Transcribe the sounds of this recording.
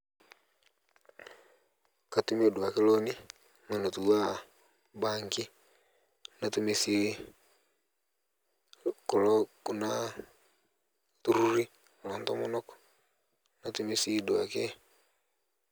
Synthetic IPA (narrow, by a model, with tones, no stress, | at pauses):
ka˨tu˦me˦˨dwa˨ke˦lo˦ni˦ | ŋe˨no˨tu˨wa˦ | ba˦ŋki˦ | na˨tu˦me˦si˦ | kɔ˨lɔku˨na˦ | tu˦ɾu˦ɾi˦ | ko˨lɔ˨ntɔ˦mu˦nɔ˦kɔ̥ | na˨˦tu˦me˦si˦dwa˨ke˦